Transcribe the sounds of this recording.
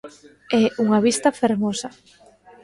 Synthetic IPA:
ɛuŋaβist̪ɐfeɾmosɐ

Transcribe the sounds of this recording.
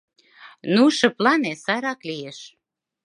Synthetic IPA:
nuʃə̆plɑnesɑɾɑklijeʃ

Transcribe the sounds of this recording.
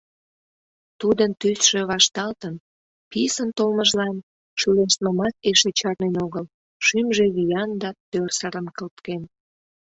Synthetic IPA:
t̪ud̪ənt̪ysʃe̽βɑʃt̪ɑlt̪ən | pisənt̪olməʒlɑn | ʃyleʃt̪məmɑt̪̚eʃet͡ɕɑrnenoɣəl | ʃymʒeβijɑnd̪ɑt̪ørsəɾənkəlt̪ken

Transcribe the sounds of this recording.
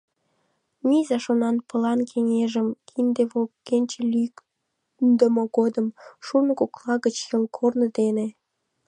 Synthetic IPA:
mizɑʃonɑnpə̆lɑnkʰeŋeʒəmkʰind̪eβolːenʲt͡ɕelyk | nd̪əmoɣod̪əmʃunəkoklɑɣət͡ɕjəlkʰornə̆d̪ene

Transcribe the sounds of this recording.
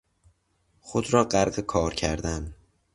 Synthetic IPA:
xod̪ɾɒːɢæɾɢekʰɒːɾcʰæɾd̪æn

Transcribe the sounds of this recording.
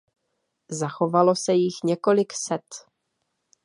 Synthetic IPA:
zaxo̞valo̞sɛjɪxɲɛko̞lɪksɛt̪

